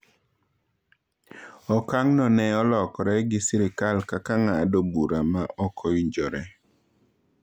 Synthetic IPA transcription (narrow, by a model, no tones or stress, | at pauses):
ɔkaŋnɔnɛɔlɔkɔɾɛɡɪsiɾikalkakaŋadobuɾamaʔɔkʰɔiɲd͡ʒɔɾɛ